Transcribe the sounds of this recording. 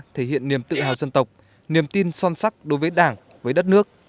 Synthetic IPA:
t̪ʰe˧˩hḭ˧˨ənːi˨˩əmt̪ɨ̰˧˨haː˨˩wzə˧nt̪ə˨˩wk͡p̚ | ni˨˩əmt̪i˧nsɔ˧nsa˦˥k̚ɗo˨˦jvəː˨˦jɗaː˧˩ŋ | vəː˨˦jɗə˦˥t̚nɨ˦˥ək̚

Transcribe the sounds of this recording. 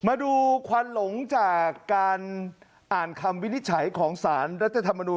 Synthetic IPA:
maː˧duː˧kʰwa˧nlo˩˦ŋt͡ɕaː˨˩kːaː˧n | ʔaː˨˩nkʰa˧mwi˦˥ni˦˥t̪̚t͡ɕʰa˩˦jkʰɔː˩˦ŋsaː˩˦nɾa˦˥t̪ʰa˧t̪ʰa˧mːa˧nuː˧

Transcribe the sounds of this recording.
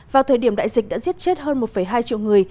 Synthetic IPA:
vaː˨˩wt̪ʰəː˨˩jɗi˧˩əmɗa̰ː˧˨jzi˨˩k̟̚ɗa̰ː˧˥zi˦˥ət̚t͡ɕe˦˥t̚ɦəː˧nmo˨˩t̚fə˧˩jɦaː˧jt͡ɕḭ˧˨wŋɨ˨˩əj

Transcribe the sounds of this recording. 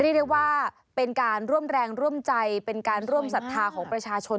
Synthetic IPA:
ɾi˥˩k̚dwaː˥˩ | pe˧nkaː˧nɾu˥˩əmɾɛː˧ŋɾu˥˩əmt͡ɕa˧jpe˧nkaː˧nɾu˥˩əmsa˨˩t̪ʰːaː˧kʰɔː˩˦ŋpɾa˧t͡ɕʰaː˧t͡ɕʰo˧n

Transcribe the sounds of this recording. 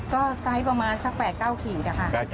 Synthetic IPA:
kɔː˥˩sa˦˥jpɾa˧maː˧nsa˧˩k̚pɛː˨˩t̪̚kaː˥˩wkʰiː˨˩na˦˩kʰa˥˩

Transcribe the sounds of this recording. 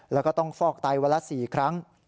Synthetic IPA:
lɛː˦˥kɔː˥˩t̪ɔ˥˩ŋfɔː˥˩k̚t̪a˧jwa˧˥la˦˥siː˨˩kʰɾa˦˥ŋ

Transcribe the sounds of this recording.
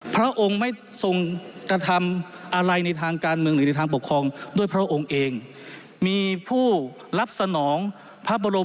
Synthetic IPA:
pʰɾa˦˥ʔo˧ŋma˥˩jso˧ŋkɾa˧t̪ʰa˧m | ʔa˧ɾa˧jna˧jt̪ʰaː˧ŋkaː˧nmɯ˧əŋnɯ˨˩˦na˧jt̪ʰaː˧ŋpo˨˩kʰːɾɔː˧ŋdu˥˩əjpʰɾa˦˥ʔo˧ŋʔeː˧ŋ | miː˧pʰuː˥˩ | ɾa˦˥p̚sa˧nɔː˩˦ŋ | pʰa˦˥p̚bo˧ɾo˧

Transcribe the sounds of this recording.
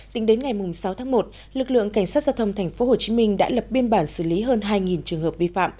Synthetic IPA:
t̪ï˨˦ŋɗe˨˦nŋa˨˩jmʊ˨˩ŋ͡msa˨˦wt̪ʰaː˨˦ŋmo˨˩t̚ | lɨ˨˩k̚lɨ̰˧˨əŋka˧˩ŋ̟saː˦˥t̚zaː˧wt̪ʰə˧wŋ͡mt̪ʰɛ˨˩ŋ̟fo˨˦ho˨˩t͡ɕi˨˦mï˧ŋ̟ɗa̰ː˧˥lə˨˩p̚ɓi˧ənɓaː˧˩nsɨ˧˩li˨˦ɦəː˧nɦaː˧jŋi˨˩nt͡ɕɨ˨˩əŋɦəː˨˩p̚vi˧fa̰ː˧˨m

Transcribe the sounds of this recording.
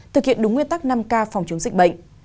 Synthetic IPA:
t̪ʰɨ˨˩k̚hḭ˧˨ənɗʊ˨˦ŋwi˧ənt̪a˦˥k̚na˧mkaː˧fɔ˨˩wŋ͡mt͡ɕɨ˨˦əŋzï˧˩k̟̚ɓə̰˧˨ŋ̟

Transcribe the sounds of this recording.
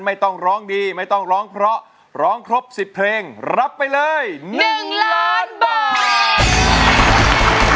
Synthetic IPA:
nma˥˩jt̪ɔ˥˩ŋɾɔː˦˥ŋdiː˧ma˥˩jt̪ɔ˥˩ŋɾɔː˦˥ŋpʰɾɔ˦˥ʔ | ɾɔː˦˥ŋkʰɾo˦˥p̚si˨˩ppʰleː˧ŋɾa˦˥pːa˧jlɤː˧jnɯ˨˩ŋlaː˦˥nbaː˨˩˨

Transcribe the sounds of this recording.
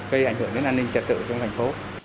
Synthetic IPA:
ɣə˧jʔa˧˩jŋ̟hɨ˧˩əŋɗe˧˦nʔaː˧nï˧ŋ̟t͡ɕə˨˩t̚t̪ɨ̰˧˨t͡ɕɔ˧wŋ͡mt̪ʰa˨˩ŋ̟fo˨˦

